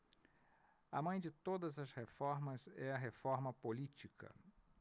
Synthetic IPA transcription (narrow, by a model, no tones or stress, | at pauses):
ɐ̰mɐ̃j̃d͡ʒɪt̪od̪ɐzɐshefɔɾmɐzɛɐɦefɔɾmɐpolit͡ʃikɐ̰